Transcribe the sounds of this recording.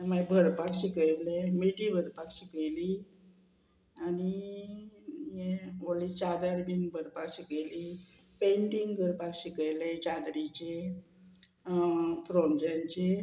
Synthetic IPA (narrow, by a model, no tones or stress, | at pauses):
mabʱəɾpakɕikəjlemiʈibʱəɾpakɕikəjli | ani | jẽolit͡ɕad̪əɾbinbʱəɾpakɕikəjli | peɳʈiŋɡɡʱəɾpakɕikəjlet͡ɕad̪ɾit͡ɕe | pɾomd͡ʑaɲt͡ɕe